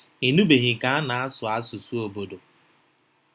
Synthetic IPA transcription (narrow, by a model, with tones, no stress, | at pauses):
i˨nu˦be˨ɦɪ˨ka˦a˦na˨a˦sʊ˨a˦sʊ˨su˦o˨bo˨do˨